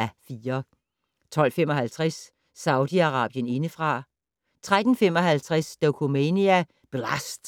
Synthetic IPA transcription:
æfiːɐ | t͡sʰɒ̽l̰fem̰ɒ̽ɦælt͡sʰʁasː | ɑ̈ʊd̥iɑ̈ʁɑ̈ːb̥jəne̝nəfʁɑ̈ | t͡sʰʁad̥n̩fem̰ɒ̽ɦælt͡sʰʁasd̥okʰomeniæ | b̥elæsd̥

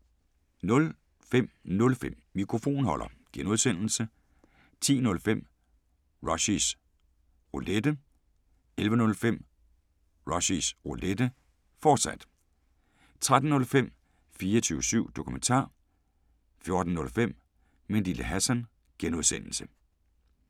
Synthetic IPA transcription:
nɔ̽l | fem̰nɔ̽lfem̰ːikʰʁo̝fo̝̰ːnhɒ̽l̰ʔɐ̰ɡ̥enuðˠsen̰l̩sə | t͡sʰḭːnɔ̽lfem̰ | ʁɒɕis | ʁoled̥ə | elʋənɔ̽lfem̰ | ʁɒ̽ɕisʁoled̥ə | fɒːd̥sæd̥ | t͡sʰʁad̥n̩ːɔ̽lfem̰ | fiːɐt͡sʰyːʊsyʊ̰d̥o̝kʰument͡sʰɑ̰̈ː | fjo̝ɐd̥n̩ːɔ̽lfem̰ | mend̥iləɦæsæn | ɡ̥enuðˠsen̰l̩sə

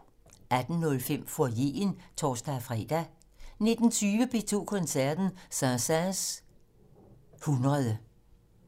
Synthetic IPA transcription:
ʔæd̥n̩ːɔ̽lfem̰fɒje̝̰ːnt͡sʰɒːsd̥æfʁɛ̰ːd̥æ | ne̝d̥n̩t͡sʰyːʋəb̥e̝ːt͡sʰo̝̰ːkʰɔ̽nsæɐd̥n̩sɑsæs | hunʁɐðˠə

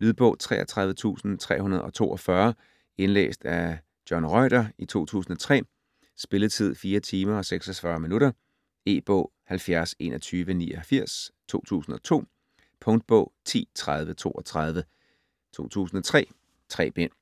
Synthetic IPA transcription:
lyðˠb̥ɔ̰̽ʊ̰t͡sʰʁɛ̰ːɐt͡sʰʁäð̞ˠʋət͡sʰṵːsn̩t͡sʰʁɛ̰ːhunɐð̞ˠɒ̽t͡sʰo̝̰ːʔɒ̽fɶɐ | e̝nlḛːsd̥æ | d̥jɒnʁɒɪɾ̥ɐit͡sʰo̝̰ːt͡sʰṵːsn̩ɒ̽t͡sʰʁɛ̰ː | sb̥e̝ləð̩ˠt͡sʰið̞̰ˠfiːɐt͡sʰiːmɐɒ̽seɡ̥sɒfɶɐminuɾɐ | e̝̰ːb̥ɔ̰̽ːhælfjæɐse̝̰ːnɒ̽t͡sʰyːʋəniːɒhæfiɐ̰st͡sʰo̝̰ːt͡sʰṵːsn̩ɒ̽t͡sʰo̝̰ː | pʰɔ̽ŋd̥̚b̥ɔ̰̽ːt͡sʰḭːt͡sʰʁað̞ˠʋət͡sʰo̝̰ːʔɒt͡sʰʁɑð̞ˠʋə | t͡sʰo̝̰ːt͡sʰṵːsn̩ɒ̽t͡sʰʁɛ̰ː | t͡sʰʁɛ̰ːb̥en̰

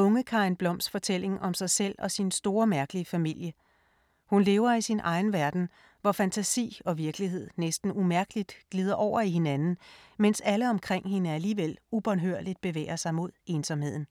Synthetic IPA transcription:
ɔ̽ŋəkʰɑ̈ɪnb̥lɒ̽m̰sd̥fɒ̽t͡sʰel̰e̝ŋʔɒ̽msɑ̈ɪsel̰ɒ̽sinsd̥o̝ːɐmæɐɡ̥əliəfæmil̰jə | hunle̝ːʊɐisinʔɑ̈ɪn̩ʋæɐd̥n̩ | ʋɒfænt͡sʰæsḭːɒ̽ʋiɐɡ̥liɦe̝ð̞̰ˠnesd̥n̩umæɐɡ̥əlid̥ɡ̥liːð̞ˠɐʔɒʊ̰ɐihe̝nænn̩mensæləɒ̽mkʰʁeŋ̰he̝nəæliːʋel̰ub̥ɒ̽nɦøɐ̰l̥id̥̚b̥e̝ʋḛːɐsɑ̈ɪmo̝ð̞̰ˠe̝ːnsɒ̽mhe̝ð̰ˠn̩

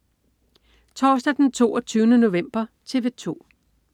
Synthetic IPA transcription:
t͡sʰɒːsd̥æd̥ent͡sʰo̝̰ːɒt͡sʰyːʊnəno̝ʋem̰b̥ɐt͡sʰe̝ʋe̝t͡sʰo̝̰ː

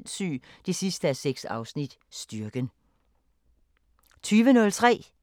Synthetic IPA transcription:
nsy̰ː | d̥e̝sisd̥əæseɡ̥sɑ̈ʊsnid̥ | sd̥yɐɡ̥ən | t͡sʰyːʋənɔ̽lt͡sʰʁɛ̰ː

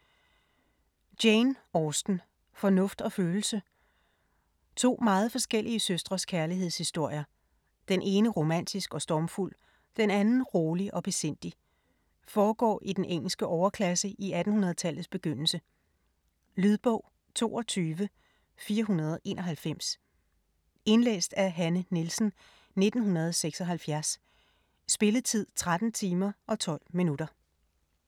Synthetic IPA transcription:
d̥eɪnɒsd̥n̩ | fɒ̽nɔ̽fd̥ɒ̽føːl̩sə | t͡sʰo̝̰ːmɑ̈ːð̞̩ˠfɒ̽sɡ̥el̰iəsøsd̥ʁɐskʰæɐliɦe̝̰shisd̥o̝ɐ̰jɐ | d̥enʔe̝ːnəʁo̝mæn̰d̥isɡ̥ɒ̽sd̥ɒːmful̰ | d̥enænn̩ʁoːliʔɒ̽b̥e̝sen̰d̥i | fɒːɡ̥ɒ̰ːʔid̥enʔeŋ̰l̩sɡ̥əʔɒʊɐkʰlæsəʔiæd̥n̩hunɐð̞̩ˠt͡sʰæl̰ð̩ˠsb̥e̝ɡ̥øn̰l̩sə | lyðˠb̥ɔ̽ʊ̰ | t͡sʰo̝̰ːɒ̽t͡sʰyːʋə | fiːɐɦunɐð̞ˠʔe̝̰ːnʔɒ̽ɦælfem̰s | e̝nlḛːsd̥æɐɦænənilsn̩ | ne̝d̥n̩ɦunɐð̞ˠseɡ̥sɒ̽ɦælfjæɐs | sb̥e̝lət͡sʰið̞̰ˠt͡sʰʁad̥n̩t͡sʰiːmɐʔɒ̽t͡sʰɒ̽l̰minud̥ɐ

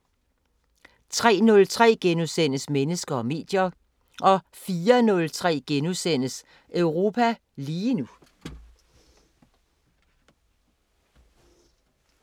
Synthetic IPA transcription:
t͡sʰʁɛ̰ːnɔ̽lt͡sʰʁɛ̰ːɡ̥enusen̰əsmenəsɡ̥ɐɒ̽me̝̰ːd̥jɐ | ʔɒ̽ | fiːɐnɔ̽lt͡sʰʁɛ̰ːɡ̥enusen̰əs | ʔœʊʁo̝ːpʰæ | liːnu

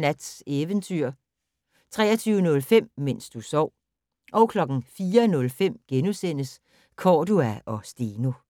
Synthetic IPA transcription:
næd̥seːʋənt͡sʰyɐ̰ | t͡sʰʁɛːɐt͡sʰyːʊənɔ̽lfem̰men̰sd̥usɒʊ̰ | ʔɒʊkʰlɒ̽ɡ̥n̩fiːɐnɔ̽lfem̰ɡ̥enusen̰əs | kʰɒːd̥uæɒ̽sd̥eːno̝

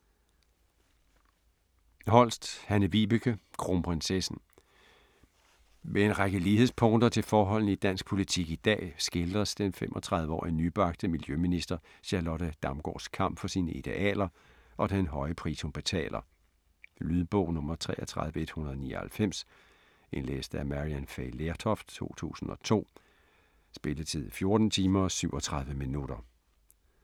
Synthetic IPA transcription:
hɒ̽l̰sd̥hænəʋib̥ykʰəkʰʁo̝mpʰʁensesn̩ | ʋee̝nʁaɡ̥əliːhe̝ðˠspʰɔ̽ŋd̥ɐt͡sʰe̝lfɒːɦɒ̽l̰n̩id̥æn̰sɡ̥̚pʰo̝lit͡sʰiɡ̥id̥ɛ̰ːsɡ̥e̝ld̥ʁɐsd̥enfemʔɒ̽t͡sʰʁɑ̈ð̞ˠʋəɒ̰ːinyb̥ɑ̈ɡ̥d̥əmiljøminisd̥ɐɕɑlɒɾəd̥ɑ̈mɡ̥ɒ̰ːskʰɑ̈m̰b̥fɒ̽siːnəʔid̥e̝ʔɛ̰ːlɐ | ʔɒ̽d̥enɦɒ̽ɪəpʰʁisomb̥e̝t͡sʰɛ̰ːlʔɐ | lyðˠb̥ɔ̽ʊ̰nɔ̽mɐt͡sʰʁɛ̰ːʔɐt͡sʰʁɑ̈ðˠʋəe̝d̥hunɐðˠnḭːɐhælfem̰s | ʔenlḛːsd̥əæmæʁiænfeɪleɐt͡sʰɒft͡sʰo̝̰ːt͡sʰṵːsn̩ɒ̽t͡sʰo̝̰ː | sb̥e̝ləð̩t͡sʰið̰ˠfjo̝ɐd̥n̩t͡sʰiːmɐsyʊɒ̽t͡sʰʁɑ̈ð̞ˠʋəminuɾ̥ɐ

